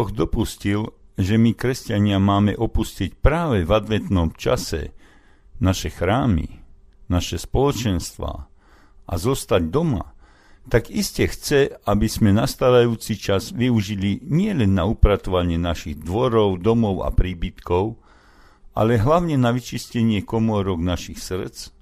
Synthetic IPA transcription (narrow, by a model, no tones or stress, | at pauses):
ɔɣd̪ɔpuscil | ʒɛmikɾɛscaɲɪamaːmɛʔɔpuscic̚pɾaːʋɛvad̪ʋɛt̪nɔmt͡ʃa̰sɛ̰ | naʃɛxɾaːmḭnaʃɛspɔlɔt͡ʃɛnst̪ʋa̰ː | ʔa̰zɔst̪aɟd̪ɔma̰ | t̪aɡiscɛxt͡sɛabizmɛnast̪aʋajuːt͡sit͡ʃazʋiuʒiliɲɪɛlɛnːaupɾat̪ɔʋaɲɪɛnaʃiɣd̪ʋɔɾɔʊd̪ɔmɔʊa̰pɾiːbit̪kɔʊ | ʔa̰lɛɦlaʊɲɛnaʋit͡ʃiscɛɲɪɛkɔmɔɾɔɡnaʃixsr̩t͡s